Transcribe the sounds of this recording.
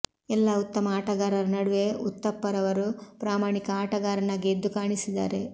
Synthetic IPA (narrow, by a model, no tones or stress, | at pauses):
ɛlːɐut̪ːɐmɐaːʈɐɡaːɾɐɾɐnɐɽuʋe̞ut̪ːɐpːɐɾɐʋɐɾupɾaːmaːɳikɐaːʈɐɡaːɾɐnaːɡeːd̪ːukaːɳisid̪a̰ːɾe̞